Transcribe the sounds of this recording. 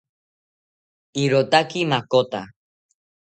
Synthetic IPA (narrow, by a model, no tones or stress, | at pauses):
iɾot̪akimakot̪a